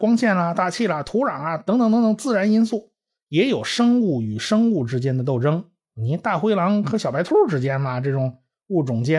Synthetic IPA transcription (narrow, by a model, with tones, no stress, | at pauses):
kwɑ˥ŋt͡ɕʰjɛ˥˩nlɐ˨˩t̪a˥˧t͡ɕʰi˥˩lɐ˨˩t̪ʰu˧˥ɻa˨˩ŋɐ˧t̪ɤ˧˥ŋt̪ə˧˥ŋt̪ɤ˧˥t̪ʰɤ˧˥ŋ˦t͡sɹ̩˥˩ɻa˧˥ni˥nsu˥˩ | jɛ˧˥jo˨˩ʊʂɤ˥ŋu˥˩y˨˩ʂɤ˥ŋu˥˩ʈ͡ʂɻ̩˥t͡ɕjɛ˥nd̪ə˨t̪o˥˩ʊʈ͡ʂɤ˥ŋ | ni˧˥t̪a˥˩xwe˥ɪlɑ˧˥ŋxɤ˧˥ɕjpa˧˥ɪt̪ʰu˥u˥˩ʈ͡ʂɻ̩˥t͡ɕjɛ˥nmɐ˨ʈ͡ʂɤ˥˩ʈ͡ʂʊ˨˩˦ŋ | u˥˩ʈ͡ʂʊ˨˩ŋt͡ɕjɛ˥